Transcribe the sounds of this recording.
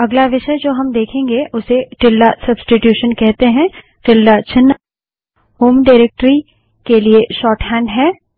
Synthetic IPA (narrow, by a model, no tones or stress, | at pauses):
ɐɡlaʋɪʃəjd͡ʒoːɦɐmd̪eːkʰẽːŋɡeʔʊseʈɪlːasɐbsʈɪʈjuːʃənkɛɦt̪eɦɛ̃ | ʈɪlːat͡ʃɪnː | ɦoːmɖaɪɾeːk̚ʈɾi | kelieʃɔːʈhɛ̃ːɳɖɦɛː